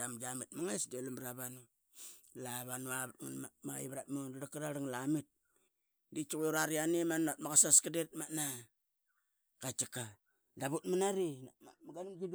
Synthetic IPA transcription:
damɡamitmaŋesdelambɾaβanu | laβanuaβatŋanamaḭβɾatmodaɾakaɾaɾaŋlamit̚ | dit͡ʃuɣuɾaɾianemanatmakasaskadet̚mana | kat͡ʃika | daβut̚manaɾiaamaɡanɡid

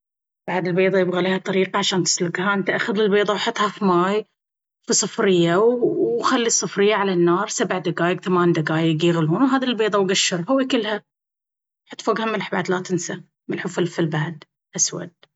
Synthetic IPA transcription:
b̥aʕd̪ɪlbeːðˤɑjɪbɣaliːhat̪ˤɑɾiːqɑʕaʃaːnt̪ɪ̥slʊɡhaʔɪnt̪ʔaxʊðɪlbeːðˤɑwħʊt̪ˤhɑfimaːj | fisˤɨfɾɪjːawxalːisˤːɨfɾɪjːaʕalanːɑːɾˤsabʕd̪aɡaːjɪɡθamaːnd̪aɡaːjɪɡjɪɣluːnwɦaːðilbeːðˤɑwɡaʃːɪɾˤhawikɪlːha | ħʊt̪ːˤfaɡhamɪlħbaʕd̪lat̪ɪnsa | mɪlħufɪlfɪlbaʕd̪ | ʔaswa̰d̪̥̚

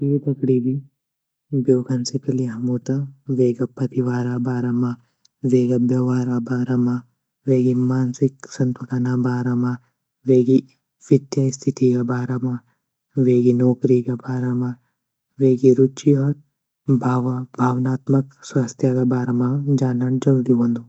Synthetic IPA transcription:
it̪ɐkɽiːbi | bjoːɡʱɐnsekelijɐɦɐmoːt̪aʋeːɡɐpɐt̪iʋaːɾabʱaːɾɐma | ʋeːɡɐbjɐʋaːɾabaːɾɐma | ʋeːɡimaːnsɪksɐ̃nt̪ulɐnabʱaːɾɐma | ʋeːɡi | ʋit̪jast̪ʰit̪ʰikɐbʱaːɾɐma | ʋeːɡinoːkɾikɐbʱaːɾɐma | ʋeːɡiɾut͡ʃiɔːɾ | bʱaːʋɐbʱaːʋnaːt̪mɐkswast̪ʰjaɡɐbʱaːɾɐmad͡ʒaːnɐd͡ʒɐld̪iʋɐnd̪u

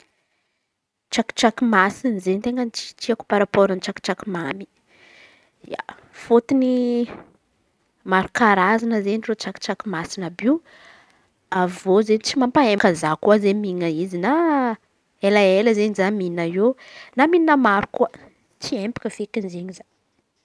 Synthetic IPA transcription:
t͡ʃaki̥ʈ͡ʂakimasinzent̪eŋɡənt͡ʃi̥t͡ʃiaku̥paɾapoɾənit͡ʃaki̥ʈ͡ʂakumami̥ | ja̰ | fot̪ini | maɾukaɾazanəzeɲnrot͡ʃaki̥ʈ͡ʂakumasinabiw | avozent͡simampaekazakuazemiŋaizina | elaeləzeɲizaminajenaminnəmaɾukuə | t͡siempḁkəfekinzeɲiza

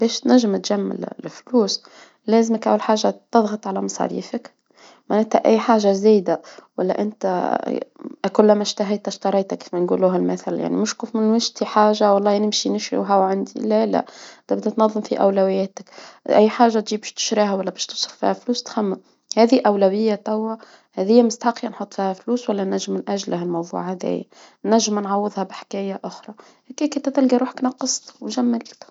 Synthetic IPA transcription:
bɛːʃt̪næʒːɪmt̪ʒamːɪ̰lfluːs | læːzməkʔa̰walħaːʒat̪ɨðˤɣɑt̪ˤʕalæmɑsˤɑ̰ɾḭːfək | maʕnæːt̪hæ̰ʔæjːħaːʒazæːjd̪awælːæ̰ʔɪnt̪æ | ʔkʊlːmæʃt̪aɦajt̪æʃt̪ɑɾˤɑjt̪aki̥fmænɡuːluːɦælmæθalja̰ʕnḭmʊʃkufmɪnwɪʒt̪iħaːʒawɑlˤːɑːnɪmʃinɪʃɾḭwɦæwʕand̪ḭlælæ̰ʔd̪æbd̪æt̪nɑðˤːɨmfiʔæ̰wlæwɪjːæːt̪ɪkʔæjːħaːʒːat̪ʒiːbæʃt̪ɪ̥ʃɾiːhæwælːæbæːʃt̪usˤɾfḭːhæfluːst̪xæmːæ | hæːðiʔæwlæwɪjːat̪æwːa | hæðɪjːæmɪst̪aħɑqːinħot̪ˤːfiːhæfluːswælːænæʒːɪmːɪnʔæʒlɦælmɑwðˤṵːʕhæðæ̰j̰ | næʒːɪmnʕɑwːɨðˤhæbħkæːjaʔʊxɾˤɑ | hækiːkʊnt̪æt̪ɪlɡiɾuːħḁknɑqːɨsˤt̪wʒæmːalt̪

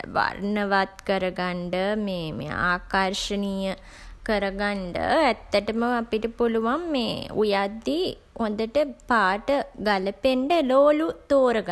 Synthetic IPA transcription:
ʋa̰rnəʋad̪kəɾəɡaɳɖəmeːmḛa̰ːkaɾʂənijə | kəɾəɡaɳɖə̰ɛt̪ːəʈəməapiʈəpuluʋamːḛːṵjad̪ːi | ond̪əʈəpaːʈəɡaləpeɳɖəloːlut̪oːɾəɡa

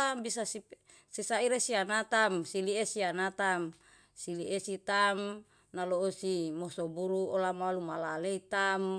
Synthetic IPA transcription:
ambisasi | sisaiɾesianat̪amsiliesianat̪am | siliʔesit̪am | naloosimosobuɾuolamalumalaleit̪am

